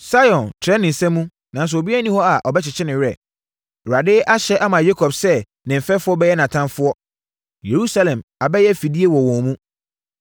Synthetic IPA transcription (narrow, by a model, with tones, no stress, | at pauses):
sa˦jɔ̃˨ntʰɛ˦nɪ̃˨n̩˨sɛ̃˦mːũ˦ | nã˨n˦s̬ʊ˨o˨bi˦a˦nĩ˦hɔ˦a˨ʔɔ˨bɛ˦t͡ɕʰɪ˨t͡ɕʰɪ˦nɪ̃˨jɪ˦ɛ˨ | ɾa˨dɪ˦ʔa˦ɕɛ˦ʔa˦mã˨je˦kʰɔ˨bsɛ˦ | nɪ̃˨m̩˨fɛ˦fʊ˦ɔ˦bɛ˦jɛ˦nã˨tʰã˦nfʊ˦ɔ˦ | je˨ɾu˦sa˦lɛ̃˨ma˨bɛ˦jɛ˦fi˨di˦e˦wɔ˨wɔ̃˨mũ˦